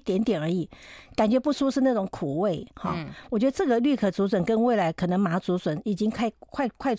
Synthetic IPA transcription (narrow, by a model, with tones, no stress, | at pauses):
t̪jɛ˧˥nt̪jɛ˨˩nə˞˧˥i˨˩ka˨˩nt͡ɕɥɛ˧˥pu˥˩ʂu˥ʂɻ̩˥˧na˥˩ʈ͡ʂʊ˧˥ŋkʰu˨˩we˥˩ɪxɑ̰˥˧wɔ˨˩t͡ɕɥɛ˧˥d̪ə˧ʈ͡ʂɤ˥˩ɡə˩ly˥˩kʰɤ˨˩t͡su˧˥swə˨˩nkə˥nwe˥˩ɪla˧˥ɪkʰɤ˨˩nɤ˧˥ŋma˧˥t͡su˧˥swə˧˨˦ni˨˩t͡ɕi˥ŋkʰa˥˧ɪkʰwa˥˧ɪkʰwa˥˧